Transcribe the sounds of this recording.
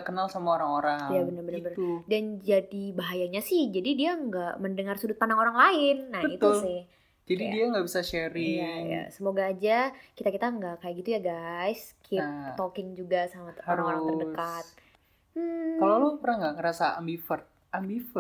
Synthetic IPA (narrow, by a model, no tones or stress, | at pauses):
kənalsamuaoɾaŋoɾaŋjabənərbənərbəndand͡ʒadibaɦajaɲasɪhd͡ʒadidiaŋɡaʔməndəŋarsudʊt̪̚pandaŋoɾaŋlaɪnːabəit̪usɪh | d͡ʒadidiaŋɡabisaʃeɾɪaŋja̰səmoɡaːd͡ʒakit̪akit̪aŋɡaʔkajaɡit̪ujaɡajskʰɪp̚t̪okɪŋd͡ʒuɡasamaoɾaŋoɾaŋərdəkat̪̚ | m̩kalolapəɾaŋɡaŋəɾasaambifərt̪̚ | ambifə